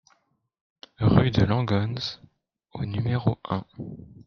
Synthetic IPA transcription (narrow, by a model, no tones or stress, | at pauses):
ʁyd̪əlɑ̃ɡɔnz | onymeʁoɛ̃